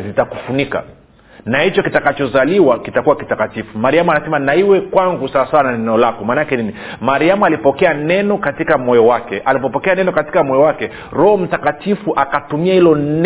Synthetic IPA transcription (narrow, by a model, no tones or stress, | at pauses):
zitaku̥funika̰ | nahit͡ʃɔkitakat͡ʃɔzaliwakitakuwakitakatifumaɾiamuanasɛmanaiwɛkwaŋɡusawasawanaɛnɛɔlakɔmaːnaakɛnini | maɾiamualipɔkɛanɛnɔkatikamɔjɔwakɛʔalipɔpɔkɛanɛnɔkati̥kamɔjɔwakɛ | ɾɔhɔm̩takatifuʔakatumiahilɔn